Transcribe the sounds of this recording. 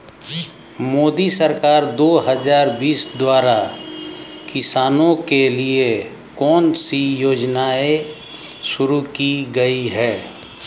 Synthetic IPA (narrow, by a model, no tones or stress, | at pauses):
moːd̪isəɾkaːɾd̪oːɦəd͡ʒaːɾbiːsd̪waːɾa | kɪsaːnõkelie | kɔːnsijoːd͡ʒnae | ʃʊɾukiɡəiɦɛː